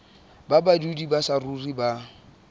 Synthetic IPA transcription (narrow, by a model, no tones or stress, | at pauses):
babadudibasaruriba